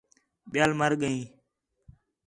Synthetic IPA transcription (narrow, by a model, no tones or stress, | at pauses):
ɓɪjaːlməɾɠəĩː